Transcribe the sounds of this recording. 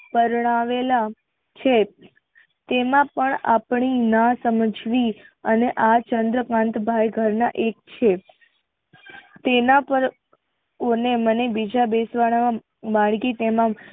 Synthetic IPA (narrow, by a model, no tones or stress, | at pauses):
pəɾɳaʋela | t͡ʃʰe | t̪emãpəɳapɳinãsəməd͡ʒʱʋiəneʔat͡ʃənd̪ɾəkãnt̪bʱajɡʱəɾnaʔek̚t͡ʃʰe | t̪enapəɾ | onemənebid͡ʒabesʋaɽ̃aã | baɭkit̪emã